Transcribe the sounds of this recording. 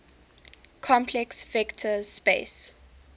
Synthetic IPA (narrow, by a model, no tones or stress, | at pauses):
kʰɔ̃mpʰlɛksvɛktʰəzspḛs